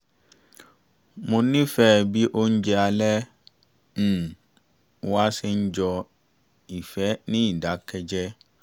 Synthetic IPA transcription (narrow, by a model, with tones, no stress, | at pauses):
mõ˧nĩ˦fɛ˦˨bi˦ʔo˦n̩˦d͡ʒɛ˧a˧lɛ˦ | m̩˦˨˦ | a˦sɛ˦n̩˦d͡ʒɔ˧ | i˨fɛ˨˦nĩ˦i˦˨da˨˦kɛ˧d͡ʒɛ˦